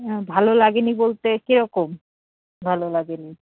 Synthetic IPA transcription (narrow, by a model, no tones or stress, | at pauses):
bʱalolaɡenibolt̪ekeɾɔkom | bʱalolaɡeni